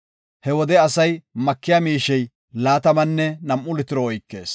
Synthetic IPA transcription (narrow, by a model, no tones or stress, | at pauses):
hɛwɔd̪ɛɐsɐjmɐkːɪjamiːʃɛj | laːt̪ɐmɐnːɛnɐmʔʊlɪt̪ɪɾɔɔjkːe̞̰ːs